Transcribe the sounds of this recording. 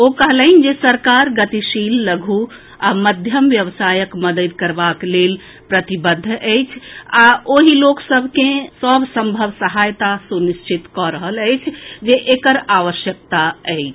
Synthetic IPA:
okəɦləɪnd͡ʒesəɾkaɾɡət̪iʃilːəɡʱu | aməd̪ʱjəmʋjəʋsajəkməd̪əd̪kəɾbaklel | pɾət̪ibəd̪ʱːʔəjt͡ʃʰaoɦiloksəbʱkẽsəbʱsəmbʱəbsəɦajt̪asuniʃt͡ʃʰit̪kɔɾəɦələjt͡ʃʰd͡ʒeʔekəɾaʋəʃjək̚t̪aəɪt͡ʃʰ

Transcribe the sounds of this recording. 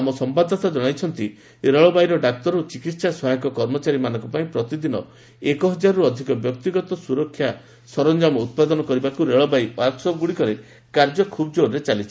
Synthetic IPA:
amɔsɔmpad̪ʱɔt̪ad͡ʒɔɽ̃ajt͡ʃʰɔnt̪i | ɾeɭɔbajɾɔɖak̚t̪ɔɾot͡ʃikit̪sasɔɦajɔ̃kɔkɔɾmɔt͡ʃaɾimanɔ̃ŋkupaĩpɾɔt̪id̪inɔ | ekɔɦɔd͡ʒaɾɔɾuɔd̪ʱikɔbjɔk̚t̪iɡɔt̪ɔsuɾɔkʰːja | sɔɾɔnd͡ʒamɔut̪̚pad̪ɔnɔkɔɾibakuɾeɭɔbajwaɾksɔp̚ɡuɽikɔɾe | kaɾd͡ʒɔkʰubɔd͡ʒoɾɾet͡ʃalit͡ʃʰi

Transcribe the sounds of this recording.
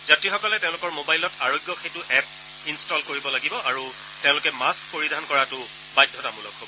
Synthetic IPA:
zatixɔkɔlɛtẽʊ̃lʊkɔɹmobajlɔtaɹoɡjɔxejtʊʔɛp̚ | instɔlkoɹibɔlaɡibɔʔaɹu | teʊ̃lʊkɛmaskpoɹidʱankɔɹatʊ | bajdʱɔtamulɔkɦobɔɔ

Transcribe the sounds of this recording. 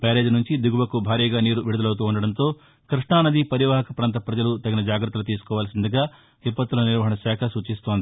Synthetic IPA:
peːɾe̞ːd͡ʒnuɲt͡ʃid̪iɡuʋɐkubʱaːɾiːɡaːniːɾuʋiɽud̪ɐlɐwt̪̬uːuɳɖɐɽɐnt̪o̞ː | kɾiʂɳaːnɐd̪ipɐɾiʋaːɦɐkɐpɾɐnt̪̬ɐpɾɐd͡ʒɐlut̪ɐɡinɐd͡ʒaːɡɾɐt̪ːɐlut̪̬iːsu̥kɔːʋaːlɐsind̪ɐɡaː | d̪ipːɐt̪ːulɐniɾʋɐɦɐɳɐʃɛːkʰɐsuːt͡ʃist̪oːnd̪i

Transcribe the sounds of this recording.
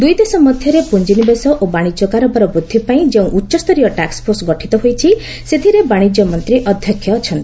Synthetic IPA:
d̪ujd̪esɔmɔd̪ʱjɔɾepund͡ʒinibesɔʔobaɽ̃id͡ʒɔkaɾɔbaɾɔbɾud̪ʱːipaĩd͡ʒeũʔutːʃɔst̪ʰɔɾijɔʈakspʰoɾsɡɔʈʰit̪ɔɦojt͡ʃʰi | set̪ʰiɾebaɽ̃id͡ʒjɔmɔnt̪ɾiʔɔd̪ʱjɔkʰːjɔt͡ʃʰɔnt̪ii

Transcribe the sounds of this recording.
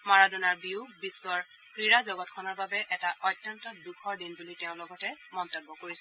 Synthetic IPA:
maɹadunaɹbiubisːɔɹ | pɹiɹazɔɡɔt̚kʰɔnɔɹbabɛʔɛtaʔɔjtːɔntɔdukʰɔɹdinbuliteʊ̃lɔɡɔtɛmɔntɔbːɔkoɹisɛ

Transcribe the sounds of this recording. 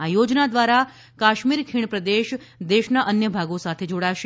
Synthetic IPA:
ajod͡ʒnad̪ʋaɾa | kaʃmiɾkʰiɳ̃pɾəd̪eʃ | d̪eʃnaʔənjəbʱaɡosat̪ʰed͡ʒoɽaʃe

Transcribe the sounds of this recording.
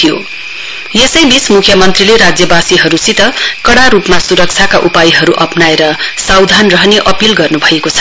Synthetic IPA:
ijo̰ | jesʌjbismukʰjʌmʌnt̪rileɾad͡zjʌbasiɦʌɾusit̪ʌkʌɽaɾupmasuɾʌk̚t͡sʰjakaʔupajiɦʌɾuʔʌpnaeɾʌsawd̪ʱanrʌɦneʔʌpilɡʌrnubʱʌekot͡sʰʌ̥

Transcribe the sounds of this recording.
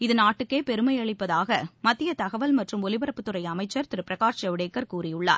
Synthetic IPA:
ɪðɯnaːʈːɯkːeːpɛɾɯmɐɪɐɭɪpːɐðaːɣɐmɐt̪ːɪjɐt̪ɐɣɐʋɐlmɐʈrɯmɔlɪʋɐɾɐpːɯt̪ːɯɾɐɪɐmɐɪt͡ʃːɐɾt̪ɪɾɯpɾɐɣaːt͡ʃɐʋɪɽeːkːɐɾkuːrɪjɯɭːa̰ːɾ

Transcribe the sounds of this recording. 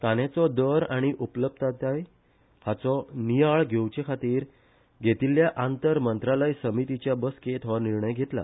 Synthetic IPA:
t̪anet͡sɔd̪əɾaɽ̃iʔupləb̚t̪at̪aj | hat͡sɔniaɭɡʱewt͡ɕekʰat̪iːɾ | ɡʱet̪iljaʔant̪əɾmənt̪ɾaləjsəmit̪it͡ɕjabəsket̪ʰɔʋaniɾɳəjɡʱet̪la̰

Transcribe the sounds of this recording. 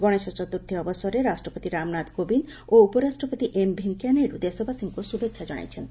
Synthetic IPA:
ɡɔɽ̃esɔt͡ʃɔt̪uɾt̪ʰiɔbɔsɔɾeɾasʈɾɔpot̪iɾamnad̪kobin | oupɔɾasʈɾɔpot̪iʔembʱiŋkjaneɾud̪esobʱasiŋkusubekʃʰad͡ʒɔɽ̃a̰jt͡ʃʰent̪

